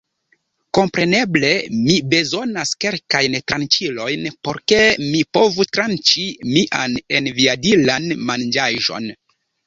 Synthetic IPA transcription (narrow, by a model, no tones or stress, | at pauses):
ko̞mpɾe̞ne̞ble̞mibe̞zo̞naske̞lkajntɾant͡ʃilo̞jnpo̞ɾke̞mipo̞vutɾant͡ʃimiʔane̞nviadilanmand͡ʒaʒo̞̰n